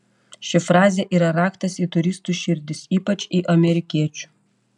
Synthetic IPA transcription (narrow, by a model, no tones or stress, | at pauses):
ʃʲɪfɾɑːzʲɛːʔiːɾɐɾɑːkt̪ɐsiːt̪ʊɾʲɪst̪uːʃʲɪɾʲd̪ʲɪsiːpɐt͡ʃʲiːʔɐmʲɛɾʲɪkʲiɛt͡ʃʲu̥